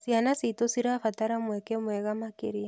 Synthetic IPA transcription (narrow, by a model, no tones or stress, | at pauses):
sianasitosiɾafataɾamwɛkɛmwɛɣamakeɾia